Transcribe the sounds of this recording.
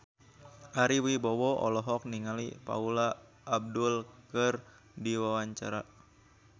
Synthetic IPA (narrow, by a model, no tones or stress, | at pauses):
ʔaɾiwibɔwɔɔ̰lɔɦɔk̚niŋalipa̰ula | ʔːb̚dulkɨr | diwawaɲt͡ʃaɾa